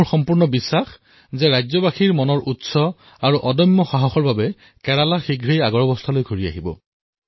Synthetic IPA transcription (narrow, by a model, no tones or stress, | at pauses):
xɔmpuɹnɔbisːax | zɛɹajzɔbaxiɹmɔnɔɹʔutsɔ | aɹuʔɔdɔmːɔxaɦɔxɔɹbabɛ | kɛɹalaxiɡʱɹejaɡɔɹɔbɔst̪ʰalojɡʱoɹia̰ɦibɔ̰